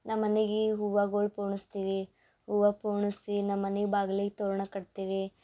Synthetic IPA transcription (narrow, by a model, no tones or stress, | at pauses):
nɐmːɐneɡiɦuʋaɡoːɭpoːɳust̪iːʋi | huʋaːpoːɳisinɐmːɐneɡbaːɡliɡt̪oːɾɐɳɐkɐɽt̪iːʋi